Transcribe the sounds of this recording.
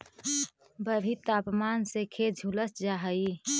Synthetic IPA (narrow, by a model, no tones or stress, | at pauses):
bəɾʱit̪aːpmaːnsekʰed͡ʒʱuləsd͡ʒaːɦəi